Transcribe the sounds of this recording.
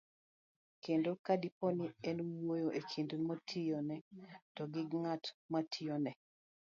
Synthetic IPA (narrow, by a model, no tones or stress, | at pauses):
kendokadipɔniɛnwojoʔekʰindmotʰijonɛtɔɡɪɡŋatmatʰijonɛ